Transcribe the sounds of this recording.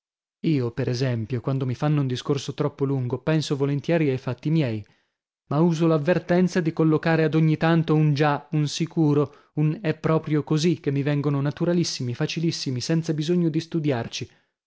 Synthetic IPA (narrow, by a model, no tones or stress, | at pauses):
iːopeɾʔezɛmpjokwand̪omifanːound̪iskorsot̪ɾɔpːoluŋɡopɛnsovolent̪jɛːɾiajfat̪ːimjɛːj | mauːzolavːert̪ɛnt̪sad̪ikolːokaːɾead̪oɲːit̪ant̪ound͡ʒaunsikuːɾo | unɛpːɾɔːpɾjokozik̟ːemːivɛŋɡononat̪uɾalisːimifat͡ʃilisːimisɛnt̪sabizoɲːod̪ist̪ud̪jart͡ʃi